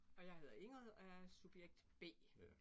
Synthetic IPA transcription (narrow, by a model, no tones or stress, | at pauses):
ɒ̽jɑ̈ɪhe̝ð̰ˠe̝ŋ̰ʁheð̰ˠæsub̥jeɡ̥̚d̥b̥e̝̰ː